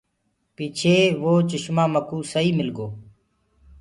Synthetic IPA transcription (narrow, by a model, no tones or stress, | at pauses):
piːt͡ʃʰeːʋoːt͡ʃɪʃmaːməkuːsəiːmɪlɡoː